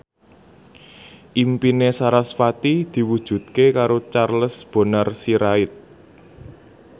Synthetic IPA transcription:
ʔimpinesaɾasfat̪id̪̥i̤wud̥ʒ̥ṳt̪̚kekaɾot͡ʃarləsb̥o̤nərsiɾaɪt̪̚

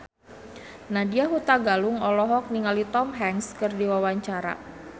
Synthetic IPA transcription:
nadiaɦut̪aɡalʊŋɔlɔɦɔk̚niŋalit̪ɔmɦɛŋskərdiwawaɲt͡ʃaɾa̰

